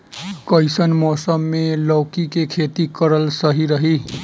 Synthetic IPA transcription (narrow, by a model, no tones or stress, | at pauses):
kəjsənmɔsəmːelɔwkikekʰet̪ikəɾəlsəɦiɾəɦi